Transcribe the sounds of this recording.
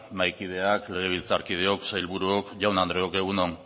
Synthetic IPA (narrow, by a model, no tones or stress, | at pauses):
majkið̞e̞akle̞ɣ̞e̞β̞ilt͡saɾkið̞eo̞ksajlβuɾuokʝawnand̪ɾeoke̞ɣ̞unoŋ